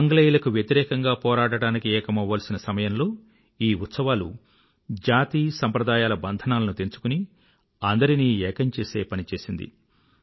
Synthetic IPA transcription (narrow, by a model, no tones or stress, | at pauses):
ɐŋɡɐleːjilɐkuʋjɐt̪iɾɛːkɐŋɡaːpɔːɾaːɽɐɽaːnikiɛːkɐmɐʋʋaːlɐsinɐsɐmɐjɐmlo̞ː | iːt̪sɐʋaːlṵ | d͡ʒaːt̪iːsɐmpɾɐd̪aːjaːlɐbɐnd̪ʱɐnaːlɐnut̪ent͡ʃu̥kuni | ɐnd̪ɐɾiniːɛːkɐɲt͡ʃe̞ːse̞ːpɐnit͡ʃe̞ːsind̪ḭ